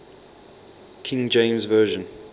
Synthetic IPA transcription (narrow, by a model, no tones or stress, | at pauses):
kʰɪ̃ŋd͡ʒẽɪ̃mzvɜːʒə̃n